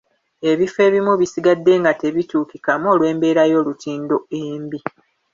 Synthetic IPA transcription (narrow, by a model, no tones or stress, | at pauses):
e̞βife̞βimuβisiɡadːe̞ŋɡate̞βituːkikamo̞ːlwe̞ːmbe̞ːɾajo̞ːlutiːndo̞embi